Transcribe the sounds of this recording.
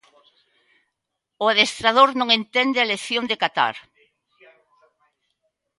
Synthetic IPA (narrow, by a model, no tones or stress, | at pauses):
ʊaðest̪ɾaðoɾnõŋent̪ɛnd̪ɪaleθjond̪ekat̪a̰ɾ